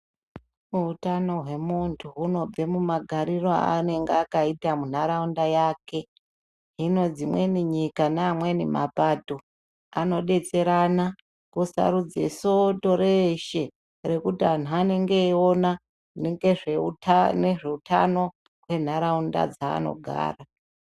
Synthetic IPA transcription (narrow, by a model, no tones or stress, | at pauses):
uːtano̞ɦwe̞muntʰuɦuno̞b͡vemumaɡʱaɾiroa̰ne̞ŋɡeakaitamun̤aɾaundajaːke̞ | ɦino̞d͡zimwe̞niɲikanaːmwe̞nima̰pato | ano̞ɗe̞t͡se̞ɾana | kusa̰ɾud͡zḛso̞to̞ɾeʃe̞ | re̞kutian̤uane̞ŋɡeiona | neɡeʐeneʐeuta̰no̞ | ɦwe̞n̤aɾaunda̰d͡za̰ːno̰ɡʱa̰ːra